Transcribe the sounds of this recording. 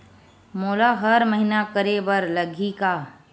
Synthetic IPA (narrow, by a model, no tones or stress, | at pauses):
moːlaɦəɾməɦinakəɾebəɾləɡʱika